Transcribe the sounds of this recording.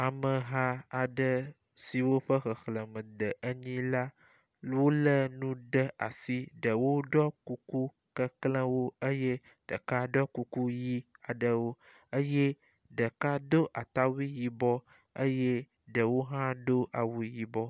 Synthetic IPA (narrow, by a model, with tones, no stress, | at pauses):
a˨mə˨ɦã˦a˨ɖə˦ | si˨wo˦ɸə˦xə˨xlə˨mə̃˨d̪ə˨ʔə˦ɲĩ˦la˦ | wo˦lə˦nũ˦ɖə˦a̰˨si˦ɖə˨wo˦ɖɔ˦ku˦ku˦ | kə˦klə̃˦wo˦ə˦je˦ | ɖ̥ə˨ka˦ɖɔ˦ku˦ku˦ji˦a˨ɖə˨wo˦ | ə˦je˦ | ɖə˨ka˦d̪o˦ʔa˨t̪a˦wi˦ji˨bɔ˦ | ə˦je˦ | ɖə˨wo˦ɦã˦d̪o˦ʔa˨wu˦i˦ji˨bɔ˦